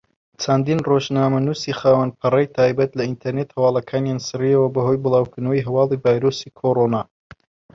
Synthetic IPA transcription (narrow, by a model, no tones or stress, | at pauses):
t͡sʰand̪inroʒnaːmɐnuːsiːxaːwɐnpʰɨrɐjt̪ʰaːjbɐt̪lɐint̪ʰɐɾnet̪hɐwɑːlˠɐkʰaːnjaːnsɨriɐwɐbɐɦo̞jbɨlˠɑːwkʰɨnɐwjɦɐwɑːlˠivaːjɾosikʰoɾonaː